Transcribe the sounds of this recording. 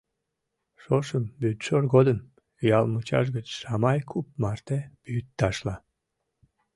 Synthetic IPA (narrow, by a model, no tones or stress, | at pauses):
ʃoʃəmbyt̪ʃorɡod̪əm | jɑlmut͡ɕɑ̰ʃ̬ɡət͡ɕʃɑmɑjkʰup̚mɑrt̪eb̥yjyt̪ːɑʃlɑ